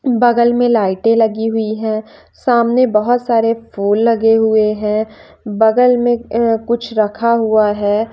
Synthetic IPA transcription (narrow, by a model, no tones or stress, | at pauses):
bɐɡəlmẽlaːɪʈẽlɐɡiɦʊiɦɛ̃ː | saːmnebɐɦʊt̪saːɾefuːlːɐɡeɦʊeɦɛ̃ː | bɐɡəlmẽkʊt͡ʃʰɾɐkʰaɦʊaɦɛː